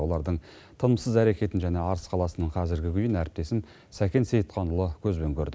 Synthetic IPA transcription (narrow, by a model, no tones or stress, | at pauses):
wo̞lˠɑɾd̪əɴ | t̪ʰənəmsəzæɾe̞kʲe̞t̪ɪnʒæne̞ɑɾəsqʰɑlˠɑsənəɴqʰɑzɪɾɡʲɪkʲʰʏjɪnæɾɪp̚t̪e̞sɪm | sækʲe̞nsejət̪̚qʰɑnulˠəkʲʰɵzbeŋkʲʰɵɾd̪ɪ